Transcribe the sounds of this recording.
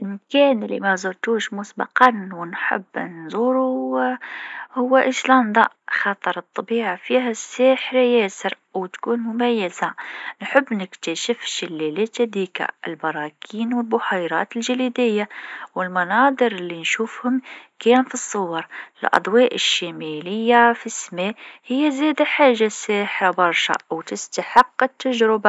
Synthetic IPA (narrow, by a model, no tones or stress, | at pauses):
lʔɪmkæːnɪlːḭmazˤʊɾˤt̪uːʃmʊsbɑ̰qɑnwɪnħɪ̰bːnzˤuːɾu | hʊwːaʔɪslɑnd̪ˤɑ | xɑt̪ˤɑɾˤɨt̪ˤːɑbiːʕafiːɦæsːeːħɾajæːsɪɾ | wt̪kuːnmʊmæjːɪzanħɪbːnɪkt̪aʃɪfʃɪlːelet̪ad̪iːka̰ɪ̰lbɑɾˤɑːkʰiːnwɪlbʊħajɾˤɑ̰ːt̪ɪlʒaliːd̪ɪjːawɪlmɑnɑːd̪ˤɨɾɪlːinʃuːfhʊmkæːnfisˤːʊwɑɾˤɪlʔɑ̰d̪ˤwɑːʔɪʃːamælɪjːafismehɪjːazeːd̪aħaːʒːasaːħɾabɑɾˤʃa̰wt̪ɪst̪aħɪqːɪt̪ːaʒɾɪba